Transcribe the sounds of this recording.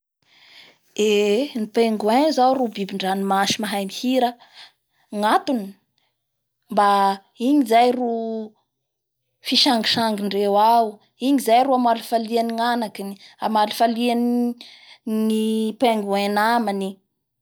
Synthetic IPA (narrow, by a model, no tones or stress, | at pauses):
enipeŋɡuanzawrubibiɳɖ͡ʐanimaʃimaɦajmihiɾə | ŋat̪uni | mba | iɲizajru | fiʃaŋɡiʃaŋɡiɳɖ͡ʐewau | iɲizajruamalifalianiŋanakiniamalifaliani | nipeŋɡwenamani